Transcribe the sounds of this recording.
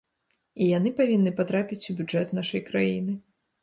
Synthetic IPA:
ijanɨpavʲinːɨpat̪ɾapʲit͡sʲubʲud͡ʐɛt̪naʂɐjkɾajinɨ

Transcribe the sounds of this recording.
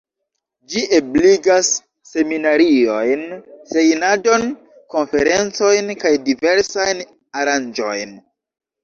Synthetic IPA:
d͡ʒiʔebliɡasː | e̞minaɾio̞jnse̞jnado̞n | ko̞nfe̞ɾe̞nt͡so̞jnkajdive̞ɾsajn | aɾand͡ʒo̞̰jn

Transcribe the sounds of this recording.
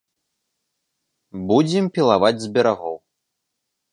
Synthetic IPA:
bud͡zʲimpʲilˠavad͡zʲzʲbʲɛɾaɣɔ̰w

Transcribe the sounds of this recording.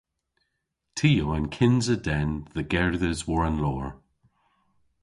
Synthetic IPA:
tʰiːoənkʰɪnzədɛnðəɡɛɹðəzwɔɹənlɔːɹ

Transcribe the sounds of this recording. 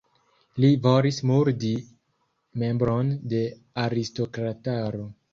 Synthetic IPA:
livoɾismuɾdi | me̞mbɾonde̞ | aɾisto̞kɾataɾo

